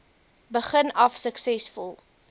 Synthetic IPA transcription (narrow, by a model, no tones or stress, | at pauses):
bəχənɐfsəksɛsfulˠ